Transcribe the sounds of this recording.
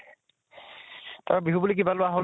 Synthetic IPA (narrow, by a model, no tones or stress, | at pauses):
taɹbiɦubulik̬ibalʊaɦo